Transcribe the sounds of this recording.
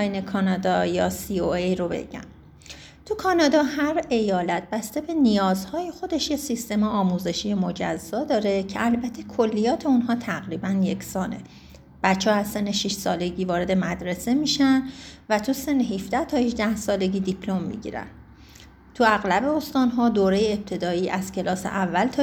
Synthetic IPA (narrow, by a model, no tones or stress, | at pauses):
jnekʰɒːnɒːd̪ɒːjɒːsioejɾo̞bḛɟ̥æ̰m | t̪ʰukʰɒːnɒːd̪ɒːhæɾe̞jɒːlæt̪̚ʰbæst̪e̞be̞nijɒːzhɒːjexo̞d̪e̞ʃjesist̪e̞meɒːmuːze̞ʃiːjemo̞d͡ʒæ̰zːɒːd̪ɒːɾe̞cʰeælbæt̪ʰe̞kʰolːijɒːt̪ʰe̞unɦɒːt̪ʰæɣɾiːbænje̞cʰsɒːne̞̰ | b̥æt͡ʃʰːɒːæzsenːeʃiʃsɒːle̞ɟiːvɒːɾe̞d̪e̞mæd̪ɾe̞se̞miːʃænvæt̪ʰuse̞nːehifd̪æht̪ʰɒːhiʒd̪æhsɒːle̞ɟiːd̪ipʰlo̞mːḭɟḭɾæ̰nd̪ | t̪ʰuæɣlæbe̞ost̪ɒːnɦɒːd̪oːɾejeeb̚t̪ʰe̞d̪ɒːiːʔæz̥cʰe̞lɒːsḛʔævːælt̪ʰɒ